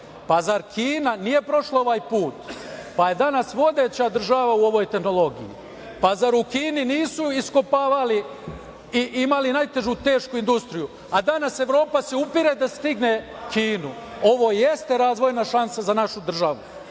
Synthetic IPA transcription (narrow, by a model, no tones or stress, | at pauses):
pazaɾkʰiːnanije̞pɾo̞ʃlao̞ʋajpuːt̪paje̞d̪anasʋo̞d̪e̞ːt͡ɕad̪r̩ʒaʋauo̞ʋo̞jt̪e̞xnolˠo̞ɡḭjḭ | pazaɾukiːniniːsuisko̞paːʋali | iʔimalinajt̪e̞ʒut̪e̞ːʃkuind̪ust̪ɾiju | ad̪anase̞ʋɾo̞ːpaseupiɾed̪ast̪iɡne | kʰiːnu | o̞ʋo̞ːjest̪eɾaːzʋo̞jnaʃansazanaʃud̪r̩ʒaʋu